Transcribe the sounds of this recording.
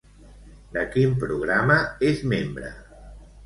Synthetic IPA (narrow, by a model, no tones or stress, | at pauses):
d̪əkimpɾuɣ̞ɾaməezmembɾə̰